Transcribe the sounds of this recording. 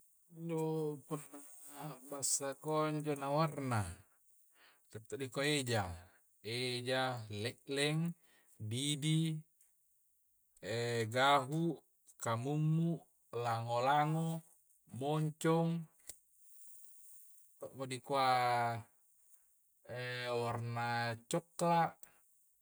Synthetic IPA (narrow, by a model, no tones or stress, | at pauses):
iɲd͡ʒopunːa | basːakoɲd͡ʒonawarna | t̪ɔt̪ːoʔdikoaed͡ʒa | ed͡ʒalɛʔlɛŋ | didi | ɡaɦu | kamumːu | laŋolaŋo | mɔɲt͡ʃɔŋ | t̪ɔʔmodikoa | warnat͡ʃɔklaʔ